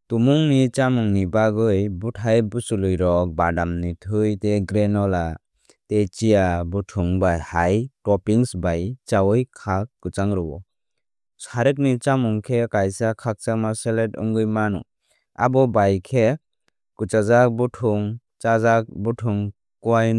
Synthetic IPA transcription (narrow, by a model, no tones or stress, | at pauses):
tumuŋnit͡ʃamuŋnibaɡɯjbutʰajbusulɯjɾɔk̚badamnitʰɯjteɡɾenɔla | tet͡ʃijabutʰuŋbajhajtɔpiŋsbajt͡ʃawɯjkʰak̚ːɯt͡ʃaŋɾɔɔ̰ | saɾɯk̚nit͡ʃamuŋkʰekajsakʰak̚t͡ʃamaseletɯ̰ŋɡɯjmanɔ̰ | a̰bɔbajkʰe | kut͡ʃazak̚butʰuŋ | t͡ʃazak̚butʰuŋ | kuwajn